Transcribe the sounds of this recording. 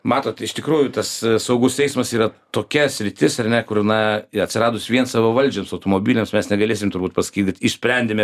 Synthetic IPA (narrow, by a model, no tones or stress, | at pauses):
mɑːt̪oːt̪ɪʃt̪ʲɪkɾuːjʊt̪ɐssɐʊɡʊsɛɪsmɐsiːɾɐt̪oːkʲɛsʲɾʲɪt̪ʲɪsɐrnʲɛkʊɾnɐɐt̪ʲsʲɪɾɑːd̪ʊsʋʲiɛnsɑːʋɐʋɐlʲd͡ʒʲoːmsɐʊt̪oːmoːbʲiːlʲemsmʲɛsnʲɛɡɐlʲeːsʲɪmt̪ʊrbuːt̪pɐsɐ̥kʲiːt̪ʲɪt̪ɪʃsʲpʲɾʲɛnʲd̪ʲemʲɛ